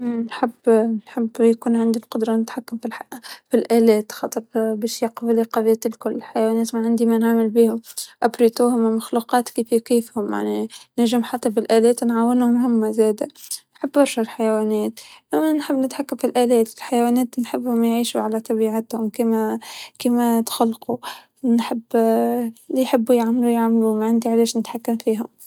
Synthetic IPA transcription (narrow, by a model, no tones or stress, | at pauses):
ʔmnħɪbːnħɪbːjakuːnʕand̪ilqʊd̪ɾˤɑnɪt̪ħakːamfifilʔælɛːt̪xɑt̪ˤɑtˤbɛːʃjɑqfliqɑðiːt̪lkʊlːɪlħajwæːnɛːt̪maʕɪnd̪imænaʕmɪlbiːhʊmʔabɾit̪uːhʊmɪmʊxluqɑːt̪kiːfikiːfhʊmja̰ʕninaʒɪmħat̪ːæbɪlʔælɛːt̪nʕawːɪnhʊmhʊmːæzæːd̪ænħɪbːbɑɾˤʃalħajwæːnɛːt̪ʔæmːænħɪbːnɪt̪ħakːamfilʔæːlɛːt̪ɪlħajwæːnɛːt̪nħɪbːhʊmjʕiːʃuʕalæt̪ˤɑbiːʕat̪hʊmkiːmækiːmæt̪xalːqu | nħɪbː | lijħɪbːujaʕmlujaʕmlumaʕand̪iʕalɛːʃnɪt̪ħakːamfiːɦʊm